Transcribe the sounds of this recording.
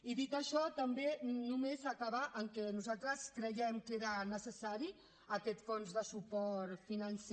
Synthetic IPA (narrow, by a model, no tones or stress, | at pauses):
iðit̪əʃɔt̪əmbenumezakaβaʔəŋkɛnuzalˠt̪ɾəskɾəjɛmkeɾənəsəsaɾi | əkɛt̪fonzðəsupɔt̪finəns